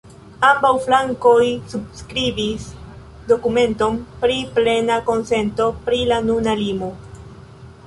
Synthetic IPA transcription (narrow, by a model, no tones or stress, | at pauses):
ambawflaŋko̞jsubskɾibis | do̞kume̞nto̞mpɾiple̞nako̞nse̞nto̞pɾilanunalimo